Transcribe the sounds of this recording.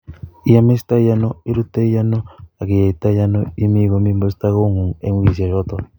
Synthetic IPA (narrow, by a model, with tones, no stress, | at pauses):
i˦a˦me˦st̪a˦ja˦no˦i˦ɾu˦t̪e˦ja˦no˦a˨ke˨ja˨i˨t̪a˦ja˦no˦i˦mi˦ɡo˨mi˦mo˦st̪a˦ɣo˦ŋu˨ŋḛ˦ŋwi˦˨s̬a˨jɔ˦t̪ɔ˨